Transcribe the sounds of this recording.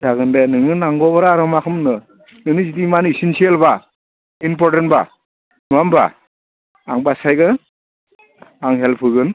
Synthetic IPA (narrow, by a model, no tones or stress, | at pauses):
zaɡɯndenɯŋɯnaŋɡɔβaɾaɾɯmakʰɯmnɯ | nɯŋnɯzidimanisinsielba | inp̬ɔɾtentba | nuamba̰ | aŋbasajɡɯ | aŋɦelpʰɯɡɯn